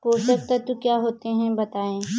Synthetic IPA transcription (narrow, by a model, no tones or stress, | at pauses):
ɦoːsɐk̚t̪at̪ukjaːɦoːt̪eɦɛ̃bɐt̪aːẽː